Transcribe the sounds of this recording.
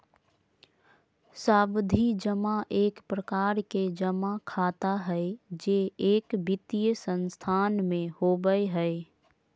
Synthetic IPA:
saːbd̪ʱid͡ʒəmaʔeːkpɾəkaːɾked͡ʒəmakʰaːt̪aɦɛed͡ʒeeːkbɪt̪ijsə̃nst̪ʰaːnmẽhobəeɦɛ

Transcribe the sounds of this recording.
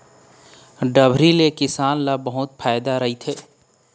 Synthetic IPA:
ɖəbʱɾilekɪsaːnlabəɦʊt̪pʰaːɪd̪aɾɐɦit̪ʰeː

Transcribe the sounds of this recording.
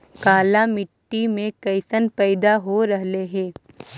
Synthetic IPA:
kaːlamɪʈːimẽkɐɪsənpɛːd̪aɦoɾɐɦleɦɛ̃ː

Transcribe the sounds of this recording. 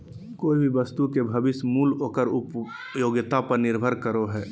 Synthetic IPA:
koːibʱiʋəst̪ukebʱɐbɪsmuːloːkəɾʊp | joːɡɪt̪apɐɾnɪɾbʱəɾkəɾoɦɛː

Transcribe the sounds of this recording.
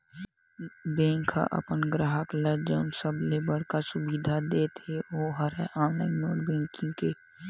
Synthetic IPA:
bɛ̃ːŋkʰːa̰ʔə̰pənɡɾaːɦəklɛd͡ʒəʊnsəblebəɽ̤kasʊbiːd̪ʱad̪eːt̪ʰeoɦəɾɛʔaːnəmoːɽbɛ̃ːŋkɪ̃ŋɡke

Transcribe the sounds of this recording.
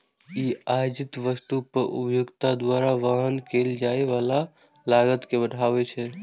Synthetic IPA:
iajd͡ʒit̪ʋəst̪upəɾʔṵpjoɡt̪ad̪waɾaʋaɦənkeld͡ʒaeʋala | laɡət̪kebəɽ̤ʰʱaβɛt͡ʃʰɛ

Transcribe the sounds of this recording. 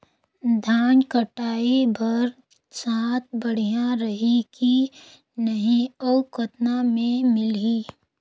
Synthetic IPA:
d̪ʱaːnkəʈaːibɐɾ | saːt̪̚ʰbɐɽ̤ijãɾəɦiki | nəɦĩɔkət̪namẽmɪliː

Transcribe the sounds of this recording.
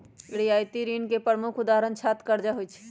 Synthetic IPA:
ɽiaːjt̪iɾiːnkepɾəmʊkʰʊd̪aːɦɾənt͡ʃʰaːt̪kəɾd͡ʒaɦoit͡ʃʰi̥

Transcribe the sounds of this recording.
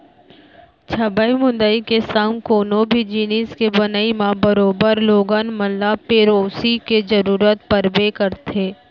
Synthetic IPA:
t͡ʃʰəbəimʊ̃nd̪əikesəŋkoːnõbʱid͡ʒiːniskebənəimãbəɾoːbəɾloːɡənməlːapeːɾoːsiked͡ʒəɾuːɾət̪pəɾbekəɾt̪ʰeː

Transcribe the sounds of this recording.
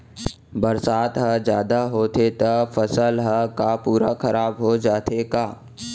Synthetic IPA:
bɐɾsaːt̪ɦəd͡ʒjaːd̪aɦoːt̪ʰet̪əfəsəlɦəkapuːɾakɐɾaːbɦod͡ʒaːt̪ʰekaː

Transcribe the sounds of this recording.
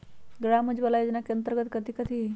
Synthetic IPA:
ɡɽaməd͡ʑbəlajod͡ʒnakənt̪əɾɡət̪kəd̪iːkəd̪i

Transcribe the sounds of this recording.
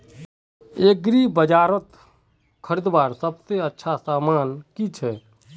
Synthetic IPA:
eːɡɾibəd͡ʒaːɾət̪ | kʰəɾɪd̪baːɾsəbseətːʃʰasaːmaːnkit͡ʃʰɛː

